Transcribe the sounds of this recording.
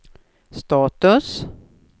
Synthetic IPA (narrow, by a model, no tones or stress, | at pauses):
st̪ɑːt̪ɵs